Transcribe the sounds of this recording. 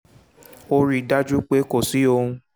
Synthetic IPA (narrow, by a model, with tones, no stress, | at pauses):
o˧ɾi˦˧da˦d͡ʒu˦k͡pe˦ko˦˨si˨˦o˧ũ˧˦